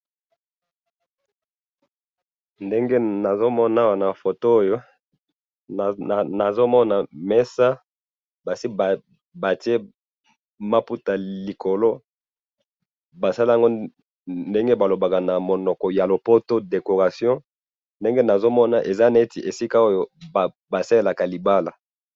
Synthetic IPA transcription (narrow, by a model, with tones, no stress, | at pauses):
nde˦ŋɡe˦na˨zo˦mɔ˦na˦wa˨na˨fo˨to˦o˦jo˦˨ | na˨zo˦mɔ˦na˨mɛ˦sa˦ | ba˨si˦b | ba˨ti˦e˦ | ma˦pu˦ta˨li˨kʰo˨lo˦ | ba˨sa˦li˦a˦ŋɡo˦ | nde˦ŋɡe˦ba˨lo˨ba˨ka˨na˨mo˨nɔ˨kɔ˨ja˨lo˨po˦to˦de˨ko˨ʁa˨sjɔ̃˦ | nde˦ŋɡe˦na˨zo˦mɔ˦na˨ʔe˨za˦na˨e˦ti˨ʔe˨si˦ka˦o˦jo˦a˨ | ba˨sa˦le˦˨la˨ka˨li˨ba˦la˨